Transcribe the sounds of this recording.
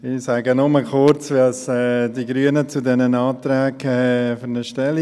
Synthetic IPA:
ɪsaɡənʊməkʰʊɾt͡sʋɑsɛdiɡɾyənət͡sudɛnənɑːt̪ɾɛːɡɛfyɾnəʃtɛli

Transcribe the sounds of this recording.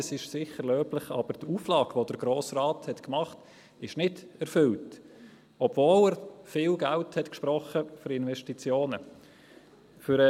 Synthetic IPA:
əsɪʃsɪχəɾløːplɪχɑ̰b̥əɾtʰuːflɑːɡ̥ʋod̥əɾɡɾoːsraːthɛtkmɑχt | ɪʃnɪdæɾfʏlt | ɔb̥voːlæːɾfɪːlɡælthɛtkʃpɾɔχəfʏɾɪnvɛʃtit͡sjoːnə | fʏɾə

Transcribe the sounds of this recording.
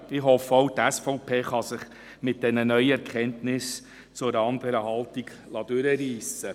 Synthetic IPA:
ɪɦɔfːɔwtæsfɔʊpʰeːχɑsɪχ | mɪt̚d̥ɛnənœʏəɛɾkχɛntnɪs | t͡sʊɾɑndəɾəɦɑltiɡ | lɑdʉɾəɾiːsə

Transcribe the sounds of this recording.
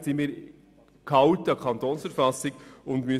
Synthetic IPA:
sɪnmiːɾ | kʰɑwtɑkʰɑnt̪oːnsfəɾfɑsɪɡʊnd̪my

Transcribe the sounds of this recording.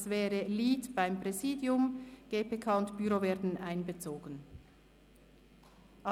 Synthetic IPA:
svɛːʁəliːtb̥aɪmpʁɛziːdjʊmɡ̥eːpʰeːkʰaːʊntb̥yɾovɛːɐdn̩ʔaɪnbət͡soːɡ̥ən | ʔɑ

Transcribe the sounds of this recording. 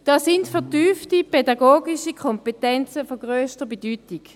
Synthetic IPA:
d̥ɑːsindfɛɐtyːftipedɑɡoːɡiʃikʰɔmpetɛnt͡səfoɡʁøːstəbedyːtiɡ̥

